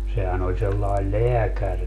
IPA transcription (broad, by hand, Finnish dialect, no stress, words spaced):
sehæn olʲ selːɑel leækærki